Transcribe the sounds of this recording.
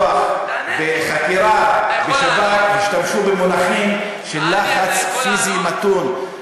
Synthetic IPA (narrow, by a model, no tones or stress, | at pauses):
aχ | beχakiɾabeʃavathiʃtamʃubemonaχim | ʃelːaχat͡sfizimat̪un